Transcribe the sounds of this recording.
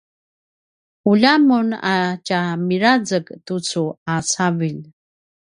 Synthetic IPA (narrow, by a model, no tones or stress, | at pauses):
uʎamuna̰camiɾad͡zəktut͡suasaviʎ